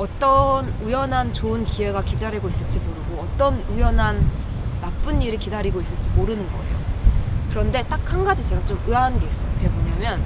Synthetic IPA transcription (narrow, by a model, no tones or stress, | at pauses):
ʌt͈ʌnujʌnɦant͡ɕoɯnkiwe̞ɡakidaɾiɡois͈ɯt͡ɕ͈imoɾɯɡoʌt͈ʌnujʌnɦanː | ap͈ɯnːiɾɯkidaɾiɡois͈ɯɭt͡ɕ͈imoɾɯnɯnɡʌ̰e̞̰jo̰kɯɾʌnde̞t͈ak̚hanɡad͡ʑit͡ɕe̞ɡat͡ɕomɯaɦannɡe̞is͈ʌjokɯɡemoɲamjʌn